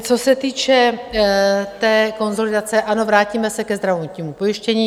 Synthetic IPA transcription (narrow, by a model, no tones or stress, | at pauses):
t͡so̞sɛt̪iːt͡ʃɛ | t̪ɛːko̞nzo̞lɪdat͡sɛʔano̞vɾaːciːmɛsɛkɛzd̪ɾavot̪ɲiːmupo̞jɪʃcɛɲiː